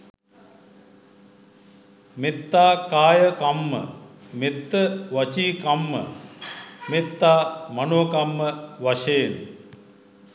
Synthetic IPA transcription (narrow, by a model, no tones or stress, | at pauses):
met̪ːaːkaːjəkamːə̰met̪ːəʋɐt͡ʃiːkamːə̰ | met̪ːaːmɐnoːkɐmːəʋaʃeːn